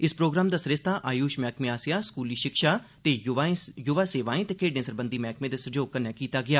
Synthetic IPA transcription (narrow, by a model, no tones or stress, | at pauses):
ɪspɾoːɡɾaːmd̪aːsəɾɪst̪ʰaːʔaːjuːʃmɛːkmẽːaːsɪjaːskuːliːʃɪkʃaː | t̪eːajʊʋaːseːʋãːĩːt̪eːkʰeːɖnẽːsəɾbə̃nd̪iːmɛːkmẽːd̪eːsəd͡ʒoːɡ̚kənːɛːkiːt̪aːɡɪjaː